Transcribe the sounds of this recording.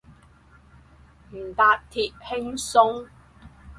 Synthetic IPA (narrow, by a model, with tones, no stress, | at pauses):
m̩˨˩t̪aː˨˧t̚t̪ʰiː˨p̚hɪ˥ŋsʊ˥ŋ